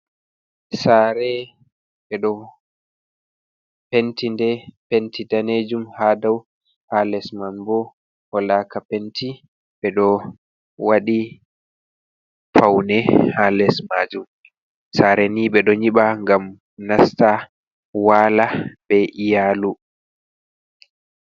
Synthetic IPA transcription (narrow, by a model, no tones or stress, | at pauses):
saːɾɛ | ɓɛɗɔ | pentindɛpentidaned͡ʒumhaːdaw | halɛsmanbɔ | hɔlaːkapenti | ɓɛɗɔ | waɗi | fawnɛhalɛsmaːd͡ʒum | saɾɛniɓɛɗɔɲiɓaŋɡam | nasta | waːlaɓɛʔijaːlu